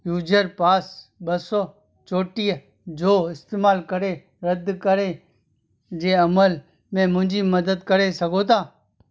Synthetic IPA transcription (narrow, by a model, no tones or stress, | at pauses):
juːd͡ʒəɾpaːsbəsoː | t͡ʃoːʈiːə | d͡ʒoːɪst̪eːmaːlkəɾeː | ɾəd̪kəɾeː | d͡ʒeːəməl | mẽːmʊ̃ɦɪ̃ɲd͡ʒiːməd̪əd̪kəɾeːsəɡoːt̪aː